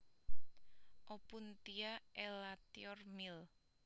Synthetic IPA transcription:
ʔɔpunt̪iaʔɛlat̪iɔrmil

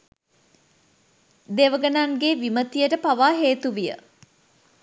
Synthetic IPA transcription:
d̪eʋəɡənaŋɡeʋimət̪ijəʈəpaʋaːɦeːt̪uʋijə̰

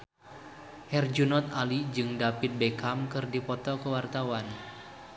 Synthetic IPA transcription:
hɛrd͡ʒunɔt̪̚alid͡ʒɨŋdapit̪̚bekamkɨrdipɔt̪ɔkəwart̪awan

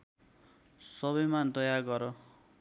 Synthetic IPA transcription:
sʌβʌjmad̪ʌjarɡʌɾʌ

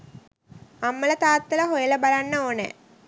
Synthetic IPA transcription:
amːɐlət̪aːt̪ːɐlɐɦojɐləbalanːɐoːnḛ

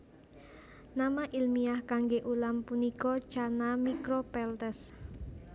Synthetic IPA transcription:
namaʔilmiahkaŋɡeʔulampunikɔ̥t͡ʃanamikɾɔpɛlt̪ɛs

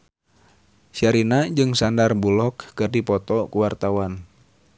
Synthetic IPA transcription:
ʃiaɾinad͡ʒɨŋsandarbulɔkːɨrdipɔt̪ɔkuwart̪awan

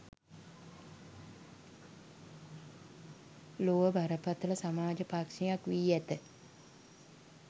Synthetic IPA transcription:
loʋəbʱaɾəpat̪ələsamaːd͡ʒəpakʂijakʋiːæt̪ə

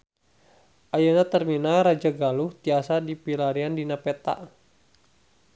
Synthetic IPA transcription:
ʔajənat̪ərminaɾad͡ʒaɡaluht̪iasadipilaɾiandinapɛt̪a̰ʔ

